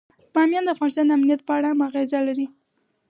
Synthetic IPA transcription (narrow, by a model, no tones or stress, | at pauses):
pɑmjɑnd̪əafɣɑnɪst̪ɑnd̪əamnijat̪̚pəaɽaamaɣezalaɾi